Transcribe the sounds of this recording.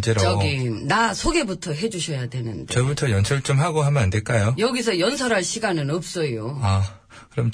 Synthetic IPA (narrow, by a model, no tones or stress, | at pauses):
d͡ʑeɾoʌɡinasʰoɡe̞butʰʌɦe̞d͡ʑuɕʰʌjadwenɯndet͡ɕʌbutʰʌjʌnsʰʌɭt͡ɕ͈omɦaɡoɦamjʌnande̞ɭk͈ajojʌɡisʰʌjʌnsʰʌɾɦaɭɕʰiɡanɯnʌp̚s͈ʌjoa | kkɯɾʌm